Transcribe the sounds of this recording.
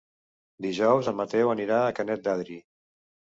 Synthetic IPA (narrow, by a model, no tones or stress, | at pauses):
d̪iʒɔwzəmət̪ɛwəniɾaːkənɛt̪̚d̪aðɾi